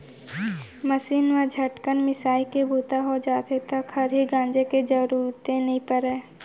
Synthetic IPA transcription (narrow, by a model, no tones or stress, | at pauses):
məsiːnʋad͡ʒʱɐʈkənmɪsaːikebʱuːt̪aɦod͡ʒaːt̪et̪ɐkhɐɾɦiɡãːnd͡ʒeked͡ʒɐɾuːɾt̪ẽnɐɦĩpəɾɛː